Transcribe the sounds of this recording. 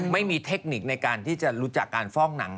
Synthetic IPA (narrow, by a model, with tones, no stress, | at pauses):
ma˥˩jmiː˧t̪ʰe˦˥k̚ni˨˩k̚na˧jkaː˧nt̪ʰiː˥˩t͡ɕa˨˩ɾuː˦˥t͡ɕa˨˩kːaː˧nfɔː˥˩ŋna˩˦ŋ